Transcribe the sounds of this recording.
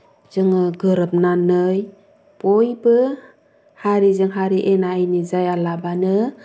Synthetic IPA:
zɯŋɯɡɯɾɯp̚nanɯj | pojbɯ | haɾizɯŋɦaɾiʔenaːjnizajalabanɯ

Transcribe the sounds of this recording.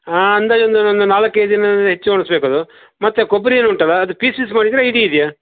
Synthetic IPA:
aːɐnd̪aːond̪uond̪unaːlɐkːɐjd̪inɐɐɦet͡ʃːuoɳɐsbeːkɐːd̪u | mɐt̪ːekobːɐɾieːnuːɳʈɐlːɐːd̪upiːsiːs̬maːɽid̪iɾeiɽiːd̪ijaː

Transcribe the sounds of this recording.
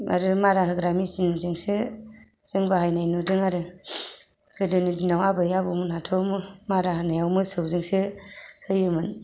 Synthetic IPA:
a̰ɾɯmaɾaɦɯɡɾamisinzɯŋsɯ | z̥ɯŋbaɦajnajnudɯŋaɾɯ | ɡ̥ɯdɯnidinawabɯjabɯmɯnatʰɔmɯmaɾahanajawmɯsɯwzɯŋsɯhɯjɯmɯn

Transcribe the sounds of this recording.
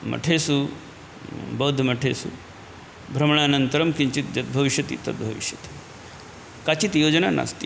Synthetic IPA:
mɐ̰ʈʰesu | bɐd̪ʱmɐʈʰesṵ | bʱɾɐmɳ̃aːnɐnt̪əɾɐmkiɲt͡ɕit̪̚d͡ʑɐt̪̚bʱɐʋiʃjɐt̪ḭːt̪ɐ̰t̪̚bʱɐʋḭʃjɐt̪i̥ | kat͡ɕit̪joːd͡ʒnana̰st̪i

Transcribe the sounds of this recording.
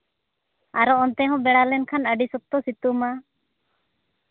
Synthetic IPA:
a̰ɾɔɔnt̪ɛɦɔ̃bɛɽalɛnkʰanəɖisuk̚t̪ɔsit̪uma

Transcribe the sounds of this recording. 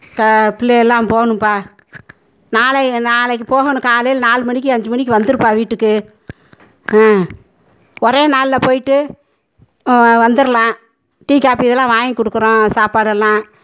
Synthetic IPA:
kɐpɪlːɛjɛlːãːpoːɐnɯmpaː | naːlɛnaːlɐkːpoːɣɐnɯ̃kaːlɐjɪlnaːlɯmɐɳɪk̬ʲːɯɐɲd͡ʒɯmɐɳɪk̬ːɯʋɐnd̪ɯɾɯpːaːʋiːʈːɯkːɯ | ɔɾeːnaːlɪlɐpoːjɪʈːɯ | ʋɐnd̪ɯɾɐlãː | ʈiːkaːpiɪðɛlːãːʋaːjkɔɽɯkːɯɾõːsaːpaːɽɐlːãː

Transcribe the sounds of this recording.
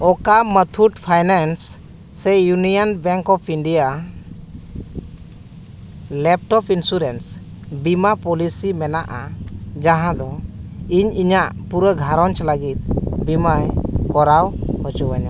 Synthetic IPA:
ɔkamət̪ʰuʈpʰajnansː | ɛjunijənbɛ̃ŋkɔpʰiɳɖija | lɛp̚ʈɔpʰinsuɾens | bimapɔlisimɛnaʔad͡ʒaɦãd̪ɔiɲiɲaʔpuɾəɡʱaɾɔnt͡ʃləɡit̪̚bimajkɔɾawhɔt͡ʃɔwaɲa

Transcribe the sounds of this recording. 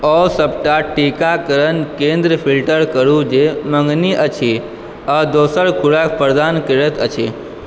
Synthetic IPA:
ɔːsəpʈaʈiːkakəɾənkẽːnd̪ɾəpʰilʈəɾkəɾud͡ʒemə̃ŋɡniʔət͡ʃʰe | ad̪oːsəɾkʰuɽakpəɾd̪aːnkəɾət̪ʰət͡ʃʰe

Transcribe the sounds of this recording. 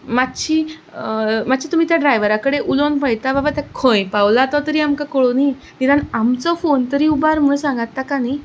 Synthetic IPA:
mat̪ːɕi | mat̪ːɕit̪um̤iːt̪jaɖɾajʋəɾakəɽeʔulonpəɭt̪ababat̪akʰõjpawlat̪ɔt̪əɾiːamkakoɭoni | niɾanamt͡sɔfont̪əɾiːubaɾməɭsãŋɡat̪ːakani

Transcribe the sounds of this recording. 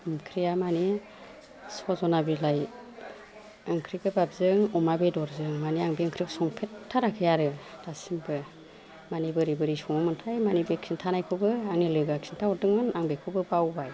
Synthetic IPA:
mkʰɾijamani | sɔzɔnabilaj | ɯŋkʰɾikɯbap̚zɯŋumabedɔɾzɯŋmaniaŋbiɯŋkʰɾiksɔŋpʰetʰːaɾakʰɯjaɾɯd̥asimbɯ | manibɯɾibɯɾisɔŋɯmɯntʰajmanibeksʰintʰanajkʰɯbɯaŋnilɯɡaksintʰaɔɾdɯŋɯnaŋbekʰɯbɯbawbaj

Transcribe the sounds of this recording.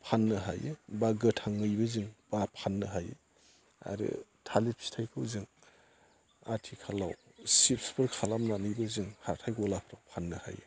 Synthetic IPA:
pʰanːɯɦa̰jɯbaɡɯtʰaŋːɯjbɯzɯŋb̥apʰanːɯɦajɯ̰ | a̰ɾɯ̰tʰalipʰi̥stʰajkʰɯwzɯŋ | a̰tʰikʰalawsip̚spʰɯɾkʰalamnanɯjbɯzɯŋhaɾtʰajɡɔlapʰɾakpʰanːɯha̰jɯ̰

